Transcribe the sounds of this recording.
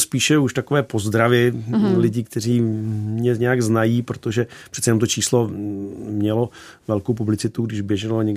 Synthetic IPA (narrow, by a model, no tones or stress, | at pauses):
spiːʃɛuʃt̪akovɛːpo̞zd̪ɾavɪlɪɟɪkt̪ɛr̝iːɲɛɲɛjaɡznajiːpɾot̪oʒɛpr̥ɛt̪sɛjɛnomt̪ot͡ʃiːslo | mɲɛlovɛlkowp̬ublɪt͡sɪt̪uɡdɪʒbjɛʒɛloɲɛɡ